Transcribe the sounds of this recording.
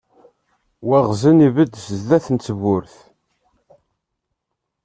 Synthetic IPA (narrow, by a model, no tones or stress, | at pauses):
wæʁzənivəd̪səzðæθənt͡sːəvʊɾθ